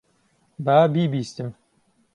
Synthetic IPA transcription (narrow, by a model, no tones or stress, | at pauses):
baːbiːbiːst̪ɨm